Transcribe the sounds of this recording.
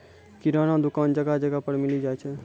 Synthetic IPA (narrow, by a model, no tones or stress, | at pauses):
kiɾaːnad̪ʊkaːnd͡ʒəɡad͡ʒəɡapəɾmɪlid͡ʒaːjt͡ʃʰɛ